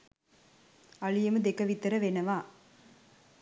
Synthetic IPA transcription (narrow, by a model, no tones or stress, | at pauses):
ɐɭɪjɐmɯd̪ɛkːɐʋit̪ːɐɾɐʋenɐʋaː